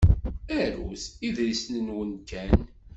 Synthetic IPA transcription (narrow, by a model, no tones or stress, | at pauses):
æɾusiðɾislənwənt̪ːæn